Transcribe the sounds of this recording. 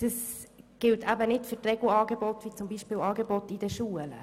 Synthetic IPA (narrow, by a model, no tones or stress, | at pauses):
d̥ɑsɡ̥ɪltʰæbənɪtfʏrtrɛɡluɑːɡebɔtʋit͡sʊmbiːʃpɪːwɑːɡebɔtid̥əʃuələ̰